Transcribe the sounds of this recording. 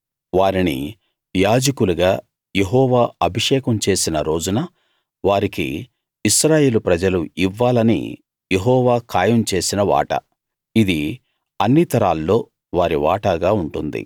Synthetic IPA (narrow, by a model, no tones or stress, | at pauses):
ʋaːɾinḭ | jaːd͡ʒɐkuluɡaː | je̞ɦɔːʋaːɐbʱiʂɛːkɐmt͡ʃe̞ːsinɐɾo̞ːd͡ʒunɐ | ʋaːɾikḭː | ʃɾaːje̞ːlupɾɐd͡ʒɐluiʋːaːlɐnḭ | je̞ɦɔːʋaːkʰaːjɐmt͡ʃe̞ːsinɐʋa̰ːʈɐ̰ | id̪i | ɐnːit̪ɐɾaːlːo̞ː | ʋaːɾiʋa̰ːʈaːɡaːuɳʈund̪ḭ